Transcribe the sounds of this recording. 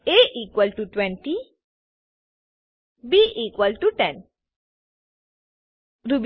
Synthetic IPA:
eʔiːkwəlʈuʈwɛ̃ɳʈi | biʔiːkwəlʈuʈɛ̃n | ɾub

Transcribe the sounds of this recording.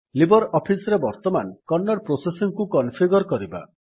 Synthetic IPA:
libɔɾɔpʰisɾebɔɾt̪ɔmankɔnːɔɾpɾosesiŋkukɔnpʰiɡɔɾkɔɾiba̰

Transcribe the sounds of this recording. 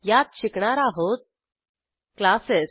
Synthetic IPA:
jat̪̚ɕikɳaɾaɦot̪̚ | klaseɾ

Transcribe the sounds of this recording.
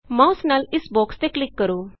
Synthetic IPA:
mãːʊsnaːlɪsbɔːkst̪eːklɪkːəɾoː

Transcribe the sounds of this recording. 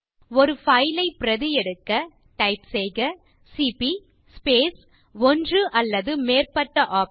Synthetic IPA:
ɔɾɯfɐɪlɐɪpɪɾɐðɪjɛɽɯkːɐ | ʈɐɪpsɛɪɣɐ | sipi | speːs | ɔndrɯʔɐlːɐðɯmeːrpɐʈːɐʔaːp

